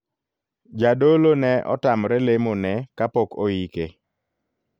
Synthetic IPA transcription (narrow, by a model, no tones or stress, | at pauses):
d͡ʒadolonɛʔɔ̰tamɾɛlemonɛkapɔko̰ike